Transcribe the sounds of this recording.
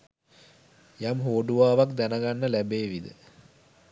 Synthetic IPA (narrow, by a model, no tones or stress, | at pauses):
jamɦoːɖuʋaːʋakd̪ænəɡanːəlæbeːʋid̪ə̰